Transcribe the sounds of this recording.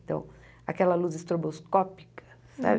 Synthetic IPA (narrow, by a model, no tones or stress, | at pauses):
t̪ɐ̰̃w̃ | a̰kɛlɐluzɪst̪ɾoboskɔpi̥kʰɐ̥ | sa̰b